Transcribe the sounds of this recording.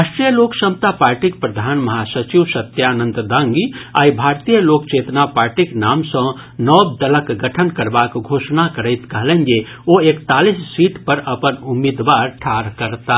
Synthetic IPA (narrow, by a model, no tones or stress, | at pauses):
aʃʈɾijəloːksəmt̪apaːɾʈik̚pɾɐd̪ʱaːnmɐɦasət͡ʃiʋsɐt̪jaːnə̃nt̪d̪ãŋɡia̰ːjbʱaːɾt̪ijəloːkt͡ʃeːt̪napaːɾʈiknaːmsə̃ | nɔːbd̪ɐləkɡɐʈʰənkɐɾbaːkɡʱoːʃnakəɾəɪt̪kɐɦlə̃nd͡ʒe | oːeːkt̪aːlissiːʈpɐɾɐpənʊmid̪ʋaːɾʈʰaːɾkəɾt̪a